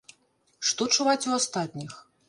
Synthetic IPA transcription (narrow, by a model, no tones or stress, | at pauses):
ʂt̪ɔt͡ʂuvat͡sʲuast̪at̪ʲnʲix